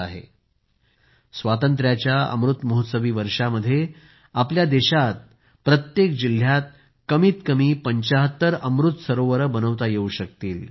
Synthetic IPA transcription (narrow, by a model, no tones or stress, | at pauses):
aɦḛ | sʋat̪ənt̪̬ɾjat͡ɕjaə̰mɾut̪məɦut̪səʋiːʋəɾʂaməd̪ʱːje | apljad̪eɕat̪̚ | pɾət̪jekd͡ʑil̤ːjat̪̚ | kəmiːt̪kəmiːpəɲt͡ɕaɦət̪ːəɾəmɾut̪səɾoʋəɾəbənəʋt̪ajeuɕək̚t̪iːl